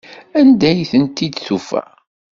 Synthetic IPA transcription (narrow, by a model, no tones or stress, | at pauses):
ænd̪æjθənt̪id̪θufæ̰